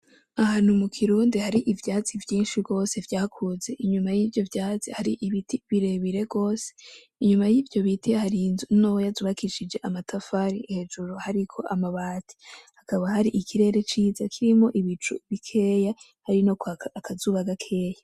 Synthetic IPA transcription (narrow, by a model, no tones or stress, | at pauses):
aɦaːn̥humukʰiɾuːndihaɾiʔivjaːt͡sivjiːnʃiɡo̞ːse̞vjaːkʰuze̞ʔiɲumajiːvjo̞vjaːzihaɾiʔiβitʰiβiɾe̞βiɾe̞ɡɡo̞ːse | iɲumajiːvjo̞βitʰihaɾinzunowojazuβakiʃid͡ʒe̞ʔamatʰafaɾihe̞d͡ʒuɾuhaɾikʰo̞ʔamaβaːtʰi̥hakaβahaɾiʔikʰiɾe̞ːɾe̞t͡ʃiːzakʰiɾimo̞ʔiβit͡ʃuβikʰe̞ːja | haɾinokakʰazuːβaɡakʰe̞ːja